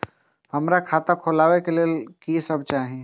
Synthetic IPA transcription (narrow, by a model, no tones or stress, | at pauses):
hɐmɾakʰaːt̪akʰoːlaːʋekeliekisəb̚t͡ʃaːɦẽ